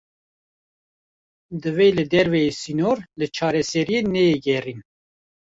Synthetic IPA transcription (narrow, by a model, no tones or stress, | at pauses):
d̪ɨvelɨd̪ɛɾvɛjesinoɾlɨt͡ʃʰɑːɾɛsɛɾijeːnɛjeɡɛrin